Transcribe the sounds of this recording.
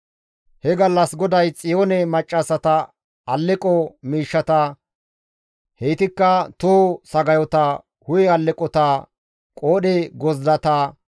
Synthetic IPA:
hɛɡɐlːɐsɡɔd̪ɐjt͡sʼɪjoːnɛmɐt͡ʃʼːɐsɐt̪ɐ | ɐlːɛkʼɔmiːʃːɐt̪ɐ | hejt̪ɪkːɐt̪ʊhɔsɐɡɐjɔt̪ɐ | hʊjɛɐlːɛkʼɔt̪a | kʼoːɗɛɡɔzd̪ɐt̪ɐ

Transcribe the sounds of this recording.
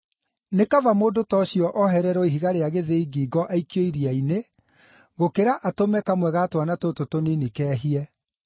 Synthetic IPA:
nekavamoːdotɔɕjɔʔɔɦɛɾɛɾɔiɦiɣaɾeaɣeðeiɡiːɡɔʔaikjoiɾiaine | ɣokeɾaʔatomɛkamwɛɣatwanatototoninikɛːɦiɛ

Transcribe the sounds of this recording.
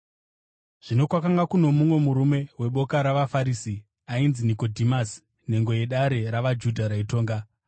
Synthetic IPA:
ʐ̥ino̞kwakaŋɡakuno̞mumwe̞muɾume̞we̞ɓo̞kaɾaʋafaɾiːsi | ainziniko̞dʱimas | ne̞ŋɡo̞je̞ɗaɾe̞ɾaʋad͡ʒudʱaɾaito̞ːŋɡa

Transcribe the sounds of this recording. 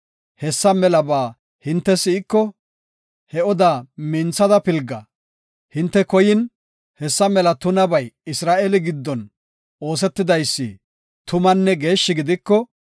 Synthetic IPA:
hɛsːɐmɛlɐbaː | hɪnt̪ːɛsɪɪkːɔ | hɛɔd̪amɪnt͡sːɐd̪ɐpɪlɡɐ | hɪnt̪ːɛkɔjɪn | hɛsːɐmɛlɐt̪ʊnɐbɐjɪsɾaːʔelɪɡɪd̪ːɔn | ʔo̞ːs̬ɛt̪ːɪd̪ɐjsːɪ̰ | t̪ʊmɐnːɛɡe̞ːʃːɪɡɪd̪ɪkːɔ

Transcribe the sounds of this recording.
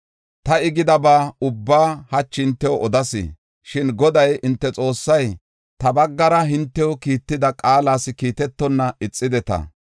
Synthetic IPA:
t̪ɐɪɡɪd̪ɐbaːʊbːaːhɐt͡ʃːɪnt̪ːɛwɔʔɔd̪ɐsɪ̰ | ʃɪnɡɔd̪ɐjɪnt̪ːɛt͡sʼo̞ːsːɐj | t̪ɐbɐɡːɐɾɐɦɪnt̪ːɛwɔkiːt̪ːɪd̪ɐkʼaːlaːsɪkiːt̪ɛt̪ːɔnːɐɪt͡sʼːɪd̪ɛt̪ɐ̰

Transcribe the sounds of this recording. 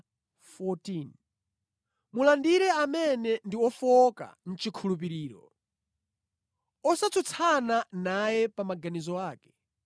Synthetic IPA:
fɔtin | mulandiɾɛamɛnɛndiɔfɔka̰n̩t͡ʃikʰulup̬iɾiːɾɔ̰ | ɔsat͡sʰut͡sʰananajɛpamaɡanizɔaːkɛ̥

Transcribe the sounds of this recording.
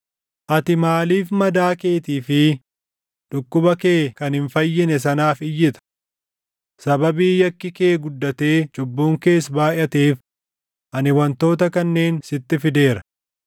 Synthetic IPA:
ʔɐt̪ɪmaːliːfmɐd̪aːke̞ːt̪iːfɪ | ᶑʊkːʊbɐkeːkɐnhɪɱfɐjːɪnɛs̬ɐnaːfɪjːɪt̪ɐ̥ | sɐbɐbiːjɐkːɪke̞ːɡʊd̪ːɐt̪e̞ːt͡ʃʼʊbːuːŋke̞ːs̬baːʔɐt̪eːf | ʔɐnɪwɐnt̪o̞ːt̪ɐkɐnːe̞ːnsɪt̪ːɪfɪd̪e̞ːɾɐ̥

